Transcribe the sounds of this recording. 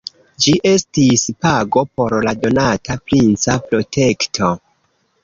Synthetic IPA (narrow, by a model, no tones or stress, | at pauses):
d͡ʒiʔe̞stispaɡo̞po̞ɾlado̞natapɾint͡sapɾo̞tʰe̞ktʰo̞